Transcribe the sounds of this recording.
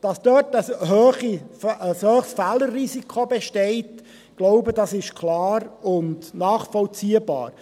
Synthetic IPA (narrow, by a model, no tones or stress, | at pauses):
d̥ɑsd̥œtəshøːχiəshøːχsfælərːisikʰobɛʃtɛɪt | ɡ̥loʊbəd̥ɑsɪʃkʰlɑːɾʊndnɑːχfɔlt͡siːəbɑ̰ːɾ